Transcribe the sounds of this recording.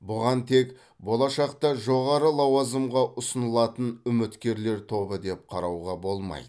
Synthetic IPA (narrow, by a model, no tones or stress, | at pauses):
bʊʁɑnt̪ʰe̞k | bo̞lˠɑʃɑqt̪ɑʒo̞ʁɑɾəlˠɑwɑzəmʁɑʔʊsənəlˠɑt̪ənʏmɪt̪kʲe̞ɾle̞ɾt̪ʰo̞bəd̪e̞p̚qʰɑɾɑwʁɑbo̞lˠmɑ̰jd̪ə